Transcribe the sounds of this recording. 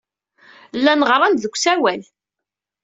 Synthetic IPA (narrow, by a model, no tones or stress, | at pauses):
lːænəʁɾˤɑnðəɡʷːsæwæl